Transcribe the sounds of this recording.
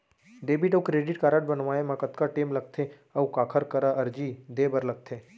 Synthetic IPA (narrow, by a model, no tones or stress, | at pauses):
ɖeːbiʈəkɾeːɖiʈkaːɾaʈ̚bənʋaːemãkət̪kaʈeːmləɡ̚t̪ʰe | əʋũkaːkʰəɾkəɾaʔəɾd͡ʒid̪ebəɾləɡ̚t̪ʰe